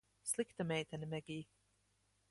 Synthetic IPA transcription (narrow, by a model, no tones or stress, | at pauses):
slˠikt̪amʲɛjt̪anʲimɛɡʲiː